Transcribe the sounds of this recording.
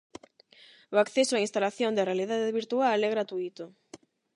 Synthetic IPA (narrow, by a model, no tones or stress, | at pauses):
ʊakθɛsʊainst̪alaθjond̪erealiðaðeβiɾt̪ualɛɣɾat̪uit̪ʊ